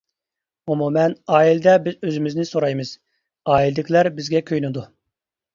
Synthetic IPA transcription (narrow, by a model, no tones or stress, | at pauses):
umumɛnɑːild̪ɛbɪzøzɪmɪznɪsoɾɑjmɨz̥ | ɑːild̪ɪkʲlæɾbɪzɡʲɛkʲʰøjnɪd̪u